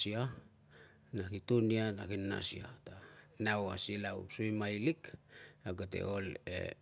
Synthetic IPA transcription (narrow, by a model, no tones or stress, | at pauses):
sia | nakitonianakinːa̰sḭa̰tanawasilaṵpsujmajlikaɡate̞̰olḛ